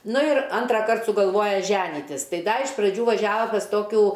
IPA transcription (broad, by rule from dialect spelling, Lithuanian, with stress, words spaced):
ˈnʊ ɪr ˈɐntrɐˌkɐrt sʊɡɐlˠˈʋoːjɛ ˈʒʲæːnʲiːtʲɪs ˈtɐɪ ˈdɐ ɪʃ prɐˈd͡ʒʲuː ʋɐˈʒʲæːʋɐ pɐs ˈtoːkʲuː